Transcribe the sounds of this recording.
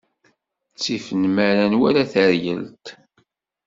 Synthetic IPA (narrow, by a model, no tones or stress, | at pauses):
t͡sːifənmæɾænwæɾaθəɾjə̰lt̪